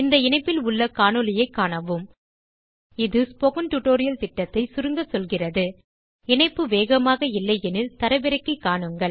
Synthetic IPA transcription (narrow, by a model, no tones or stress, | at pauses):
ɪnd̪ɐɪnɐɪpːɪlʊɭːɐkaːɳɯlɪjɐɪkːaːɳɐʋɯm | ɪðɯspɔɣɐnʈʊʈoːɾɪjɐlt̪ɪʈːɐt̪ːɐɪsʊɾɯŋɡɐsɔlɣɪrɐðɯ | ɪɳɐɪpːɯʋeːɣɐmaːɣɐɪlːɐɪɛnɪt̪ɐɾɐʋɪɾɐɪkːɯkːaːɳɯŋɡɐɭ